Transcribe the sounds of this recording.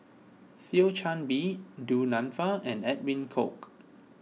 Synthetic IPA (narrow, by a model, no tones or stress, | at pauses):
filt͡ʃʰãnbidunãnfəɛ̃nɛt̚mĩnkʰo̰k